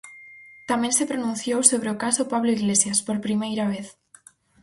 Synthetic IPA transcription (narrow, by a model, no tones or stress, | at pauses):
t̪amensepɾonũn̟θjowsoβ̞ɾeokasopaβloiɣlesjaspoɾpɾimejɾaβ̞eθ